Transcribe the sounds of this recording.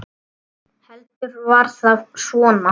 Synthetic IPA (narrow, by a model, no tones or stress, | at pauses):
hɛlt̪ʏɾvaɾ̥θaðsɔːna